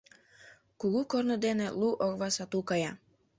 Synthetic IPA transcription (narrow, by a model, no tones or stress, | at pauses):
kuɣukornɤ̆d̪enelˠuʔoɣβɑsɑt̪ukɑjɑ